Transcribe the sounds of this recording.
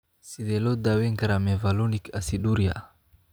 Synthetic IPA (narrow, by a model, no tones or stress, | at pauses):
sidɛlɔd̪awɛŋɡaɾamɛvalɔnikasiduɾia̰